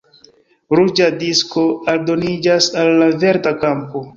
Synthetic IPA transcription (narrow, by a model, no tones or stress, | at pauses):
ɾud͡ʒadisko̞aldo̞nid͡ʒasalːave̞ɾtakampo̞